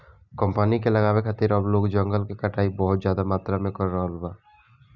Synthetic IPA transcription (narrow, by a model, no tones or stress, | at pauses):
kəmpənikelɐɡaːwekʰat̪ɪɾəbloːɡd͡ʒəŋɡəlkekəʈaːibɔɦʊt̪zjaːd̪amaːt̪ɾamẽkɔɾːaɦloba